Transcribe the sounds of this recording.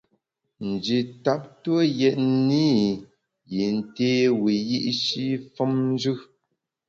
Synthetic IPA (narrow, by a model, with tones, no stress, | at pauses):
n̩˨d͡ʒi˨ta˦p̚twə˦jɛ˨t̚ni˦ | je˨n̩˦˨teː˦wi˨ji˦ʔʃi˦fɔ˦mn˦d͡ʒʉ˦